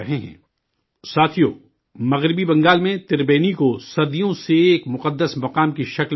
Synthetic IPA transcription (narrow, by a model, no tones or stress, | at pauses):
ɐɦeɦɛ̰̃ː | saːt̪ʰijo̰ː | mɐɣɾɪbibɐ̃ŋɡaːlmẽt̪ɪɾbeːnikosɐɾd̪ijõseːkmʊqəd̪ːəsmɐqaːmkiʃɐkl